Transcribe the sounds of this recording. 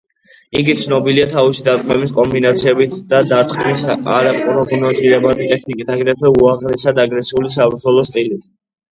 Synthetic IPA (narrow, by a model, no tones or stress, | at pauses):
iɡit̪sʰnɔbiliat̪ʰaviʃid̪at̪ʼqʼmɛmiskʼɔmbinat̪sʰiɛbit̪ʰd̪ad̪aɾt̪ʼχʼqʼmisaɾapʼɾɔɡunɔzʼiɾɛbad̪it̪ʼɛkʰnikʼit̪ʰaɡɾɛt̪ʰwɛuaʁɾɛsad̪aɡɾɛsiulis̬avɾd̪zɔlˠɔst̪ʼilit̪ʰ